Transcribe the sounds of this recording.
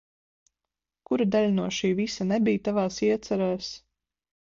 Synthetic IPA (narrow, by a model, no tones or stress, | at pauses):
kuɾad̪aʎʲnuɔʃiːvisanɛbijt̪avaːsiɛt̪saɾaːs